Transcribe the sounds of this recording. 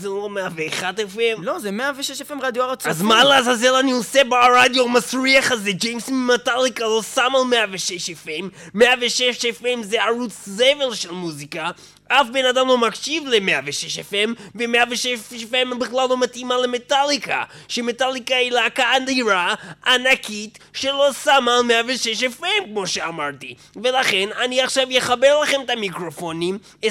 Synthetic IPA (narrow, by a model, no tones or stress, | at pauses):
zelo̞meaveːχad̪efemlozemeaveʃeʃefemʁad̪joaʁat͡sazmaleazazelaniosebaɾad̪jomasɾiaχazed͡ʒejmsmimet̪alikalo̞samalmeaveʃeʃefemːeaveʃeʃefemzeaɾut͡szevelʃelmuzika | ʔafbenad̪amlo̞makʃivlemeaveʃeʃefemvemeaveʃefembiχlalːo̞mat̪imale̞metalika̰ | ʃemetalikailakaːniɾaːnakit | ʃelo̞samalmeaveʃeʃefemkmo̞ʃeamaʁt̪i | ve̞laχe̞naniaχʃavjeχabe̞ʁlaχe̞metamikʁo̞fonim